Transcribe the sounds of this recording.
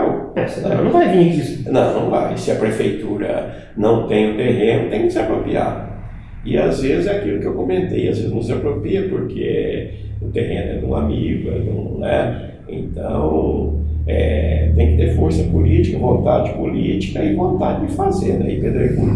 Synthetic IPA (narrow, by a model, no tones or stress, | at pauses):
ɛsẽñvajvĩisnɐ̃w̃nɐ̃w̃va̰jsɪɐpɾefejt̪uɾɐ̰ | nɐ̃w̃t̪ẽj̃ʊt̪eɦẽnʊt̪ẽj̃kɪsɪapɾopɾia̰d̪ʊ | ɪa̰zvezɪzɛakilʊkɪewkomẽnt̪eja̰zvezɪznʊ̃ɪzapɾopɾiɐpoɾkʰe | ʊt̪eɦẽnʊɛ̰d̪ũa̰miɡʊɛd̪ṵ̃nɛ | ḛ̃nt̪ɐ̰̃w̃ | ɛ̰t̪ẽj̃kɪ̥t̪eɾfoɾsɐpulit͡ʃi̥kɐvõnt̪ad͡ʒɪd͡ʒɪpolit͡ʃi̥kɐɪvõnt̪ad͡ʒɪd͡ʒɪfazeɾnɛ̰ɪped̪eɾku